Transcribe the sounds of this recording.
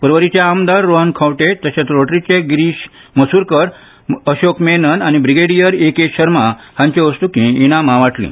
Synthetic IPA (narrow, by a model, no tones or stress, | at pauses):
pəɾʋəɾit͡ɕeamd̪aɾːoɦənkʰawʈet̪əɕat̪ɾoʈɾit͡ɕeɡɾiːɕ | məsuɾkəɾ | əɕokmenənañibɾiɡeɽijəɾekeɕəɾmahãɲt͡ɕeəsʈ̪ukĩiɽ̃ãm̤ãʋaʈlḭ̃